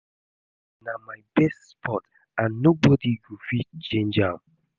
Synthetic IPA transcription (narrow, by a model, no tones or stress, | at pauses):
namajbɛstspʰɔt | ãnːobɔdiɡufit͡ʃẽnd͡ʒa